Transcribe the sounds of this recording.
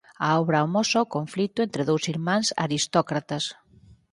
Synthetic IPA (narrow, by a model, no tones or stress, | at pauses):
aɔβɾaomɔsakoɱflit̪ʊent̪ɾeðowsiɾmãŋsa̰ɾist̪ɔkɾat̪ɐs